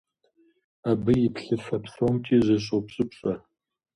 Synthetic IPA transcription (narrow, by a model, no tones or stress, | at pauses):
abɨjɪpʰɬɨfɐpsomtʰiːzɐɕ̬ʼopɕʼɨpɕʼɐ